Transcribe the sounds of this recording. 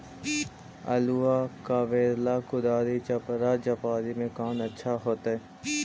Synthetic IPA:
ɐ̰luakaːʋeːɾlakʊd̪aːd̪it͡ʃɐpɾad͡ʒɐpaːd̪imẽkaːnɐtːʃʰaɦoːt̪aɦɛː

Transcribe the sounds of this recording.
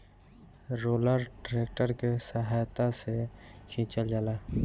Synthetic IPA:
ɾoːləɾʈɾeːk̚ʈəɾkesəɦaːjt̪aset͡ʃʰĩːt͡ʃəld͡ʒalaː

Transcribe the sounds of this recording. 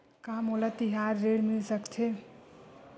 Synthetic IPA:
kamɦolat̪iɦaɾːeɽmilsəkt͡ʃʰe

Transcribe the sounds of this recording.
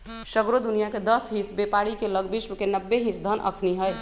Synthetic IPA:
səɡɾod̪unijaked̪əsɦisbepaɽikeləɡbismkenəbːeɦisd̪ʱənʔə̰kʰniɦəj

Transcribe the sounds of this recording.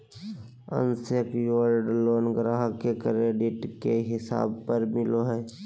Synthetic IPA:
ə̰nsəkjəɾɖloːnɡɾaːɦkekɾeːɖɪʈkeɦɪsa̰ːb̚pəɾmɪloɦɛː

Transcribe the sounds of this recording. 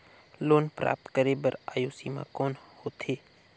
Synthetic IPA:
loːnpɾa̰ːp̚t̪kəɾebəɾaːjoːsiːmã̰koːnhoːt̪ʰeː

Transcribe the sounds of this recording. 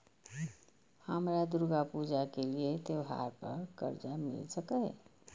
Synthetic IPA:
həmɾad̪uuɾɡapud͡ʒakeliet̪ewɦa̰ɾpəɾkə̰ɾd͡ʒamɪ̰lsəkə

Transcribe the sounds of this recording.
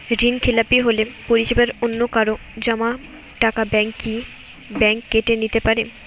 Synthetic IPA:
ɾinkʰelapiɦolepoɾiʃebaɾonːokaɾo | d͡ʑama | ʈakabɛŋki | bɛŋkːeʈenit̪epaɾe

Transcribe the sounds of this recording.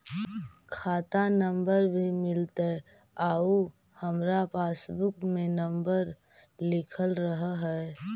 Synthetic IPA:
kʰaːt̪anə̃mbəɾbʱimɪlt̪e | aːu | həmɾapaːsbʊkmẽnəmbəɾ | lɪkʰəlɾəɦɦɛ

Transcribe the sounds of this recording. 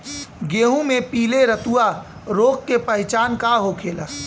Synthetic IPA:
ɡeːɦũmẽpiːleɾət̪ua | ɾoːk̚kepəɦt͡ʃaːnkaɦokʰeːlaː

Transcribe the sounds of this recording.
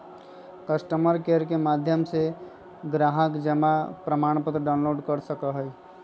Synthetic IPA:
kəsʈəməɾkeɾkemad̪ʱjəmse | ɡɾaɦəkd͡ʒəmapɾəmaɳ̃pət̪ɾəɖaʊnloɖkəɾsəkəɦəj

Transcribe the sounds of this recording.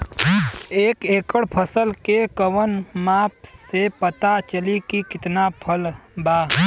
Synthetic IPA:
eːkeːkəɽpʰəsəlkekəʋənmaːpsepət̪at͡ʃəlikikɪt̪napʰəlbaː

